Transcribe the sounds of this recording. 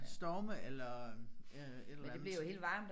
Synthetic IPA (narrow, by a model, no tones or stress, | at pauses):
sd̥ɒːməelɐ | ed̥deb̥liɐjohe̝ːld̥ʋɑ̈ːmd̥